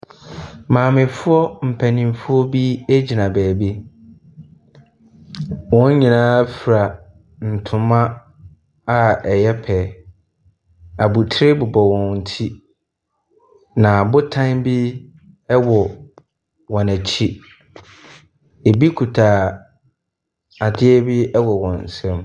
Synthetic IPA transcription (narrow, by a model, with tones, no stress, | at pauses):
mãː˨mɪ̃˨fʊ˦ɔ˦m̩˨pʰæ˨nĩ˨m˦fʊ˦ɔ˦bi˦æ˦d͡ʑi˨nã˨bɛː˨bi˦ | wɔ̃˦n̩˦ɲĩ˨nãː˦fi˨ɾa˨ | n̩˨tʰʊ̃˨mã˦ | a˨ɛ˨jɛ˦pʰɛ˨ | a˨bu˨tʰɪ˦ɾɪ˦bʊ˨bɔ˨wɔ̃˨n̩˨tʰi˦ | nã˨bʊ˦tʰã˦bi˦ | ɛ˦wɔ˨ | wɔ̃˨næ˨t͡ɕʰi˦ | e˨bi˦kʰu˨tʰaː˨ | a˨dɪ˦ɛ˦bi˦ɛ˦wɔ˨wɔ̃˨n̩˨sɛ̃˦m